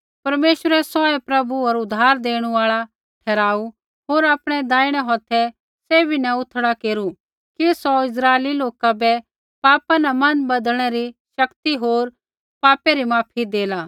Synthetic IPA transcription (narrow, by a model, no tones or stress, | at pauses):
pɐɾmeːʃwəɾɛsɔɛpɾɐbuɐɾʊd̪ʱːaːɾd̪eːɽ̃uaːɭa | ʈʰɛːɾaːu | ɦoːɾaːpɽ̃ɛd̪aːiɽ̃ɛɦɔt̪ʰɛ | seːbʱinɛ̃ʊt̪ʰɽakeːɾu | kisɔɪs̬ɾaːeliloːkabɛ | paːpanɛmɐnbɐd̪əɽ̃ɛɾiʃɐkt̪iɦoːɾ | paːpɛɾimaːpʰid̪eːlaː